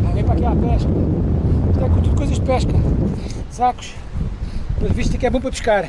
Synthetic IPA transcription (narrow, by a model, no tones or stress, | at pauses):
alɡɐ̃j̃pɾakiapɛʃkɐ | t̪ɛkõt̪ud̪̚kojzɐʒd̪̚pɛʃkɐ | saku̥ʃ | põviʃt̪ɐkɛβõp̬ɾɐpuʃkaɾ